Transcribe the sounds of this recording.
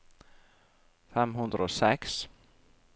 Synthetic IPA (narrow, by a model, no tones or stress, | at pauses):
fɛmɦɵnd̪ɾaɔsɛks